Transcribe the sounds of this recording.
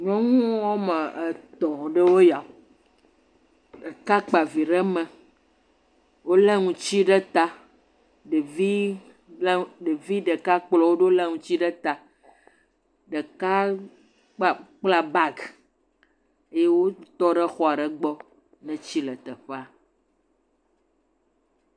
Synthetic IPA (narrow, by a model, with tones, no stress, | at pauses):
ɲɔ̃˦ŋũ˦wɔ˦mɛ̃˨ɛ˨t̪ɔ̃˨ɖə˦wo˦ja˨ | ɖə˨ka˦k͡pa˨vi˨ɖɛ˦mɛ̃˨ | wo˦lɛ˦ŋũ˨t͡ɕi˦ɖɛ˦t̪a˦ | ɖe˨vi˦ | ɖe˨vi˦ɖɛ˨ka˦k͡plɔ˨wo˦ɖo˦lɛ˦ŋũ˨t͡ɕi˦ɖɛ˦t̪a˨ | ɖɛ˨ka˦ | k͡pa˨k͡pla˨ba˦ɡ | e˦je˦wo˦t̪ɔ˦ɖɛ˦xɔ˦a˨ɖɛ˦ɡ͡bɔ˦ | nɛ̃˦t͡ɕi˦lɛ˨t̪ɛ˨ɸe˦a˨